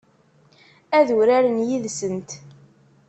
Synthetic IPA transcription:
æðuɾæɾənjiðsənt̪

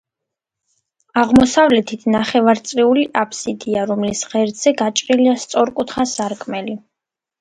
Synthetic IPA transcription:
aʁmɔsavlɛt̪ʰit̪ʰnaχɛvaɾt̪sʼɾiuliʔapʰsid̪iaɾɔmlisʁɛɾd̪z̥ɛɡat͡ʃʼɾiliast̪sʼɔɾkʼut̪ʰχasaɾkʼʰmɛli

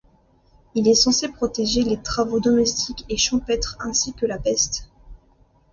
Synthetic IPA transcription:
ilɛsɑ̃sepχɔt̪eʒelet̪χavod̪ɔmɛst̪ʰikʲeʃɑ̃pɛt̪χɛ̃sikəlapɛst̪

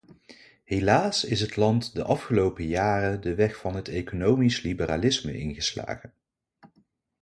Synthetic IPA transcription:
ɦelaːsɪsɦətlɑntdəʔɑfχəlowpəjaːrədəʋɛχfɑnɦətejkonowmislibəra̰ːlɪsmə̰ʔɪ̰nχəsla̰ːχən

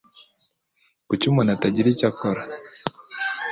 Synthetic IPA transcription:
kut͡ʃumɔnataɟiɾit͡ʃakɔɾa

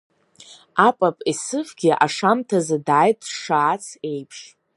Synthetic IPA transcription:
apʼapʼisɨfɡʲɪʔa̰ʂamtʰazadaːjtʼʂaːt͡sʰe̞jpʰʂ

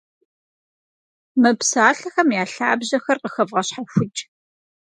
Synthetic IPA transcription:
mɨpsaːɬɐxɐmjaːɬa̰ːbʑɐxɐrqəxɐvʁɐɕħaxʷʊd͡ʒʼ

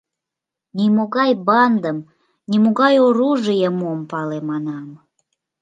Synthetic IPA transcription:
nimoɣɑjbɑnd̪əm | nimoɣɑjoɾuʒɨjəmuəmpɑlemɑnɑm

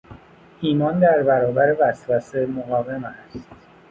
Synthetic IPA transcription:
ʔiːmɒːnd̪æɾbæɾɒːbæɾevæsvæsemoɣɒːve̞mæst̪

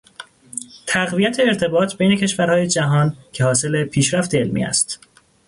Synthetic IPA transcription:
t̪ʰæɣvijæt̪ʰe̞ːɾt̪ʰe̞bɒːt̪ʰbejne̞cʰe̞ʃvæɾhɒːjed͡ʒæɦɒːncʰehɒːse̞lepʰiːʃɾæft̪e̞elmḭæ̰st̪

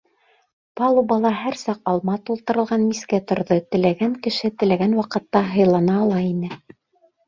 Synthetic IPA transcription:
pɑlˠubɑlˠɑɦæɾsɑqɑlˠmɑt̪ulˠt̪ɤ̆ɾɤ̆lˠʁɑnmiskæt̪ŏɾðɤt̪ɘ̆læɡæŋkɘ̆ʃɘt̪ɘ̆læɡænwɑqɤ̆t̪ːɑɦɤ̆jlˠɑnɑːlˠɑinɘ

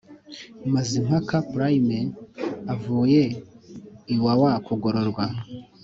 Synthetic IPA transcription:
mazim̥hakapɾajimeavuːje̞ | iwawakuɡoɾoɾɡwa

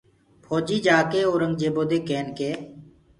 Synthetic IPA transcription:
pʰoːd͡ʒiːd͡ʒaːkeːoːɾəŋɡd͡ʒeːboːd̪eːkeːnkeː

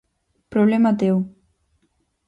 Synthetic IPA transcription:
pɾoβlɛmat̪̬ew

